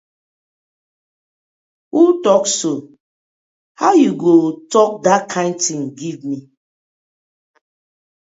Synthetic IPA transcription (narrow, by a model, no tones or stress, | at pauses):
wultɔkso | haʊjuɡotɔk̚dakʰãɪ̃ntĩŋɡivmi